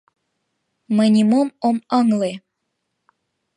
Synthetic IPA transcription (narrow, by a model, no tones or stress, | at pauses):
mənʲimomoməŋle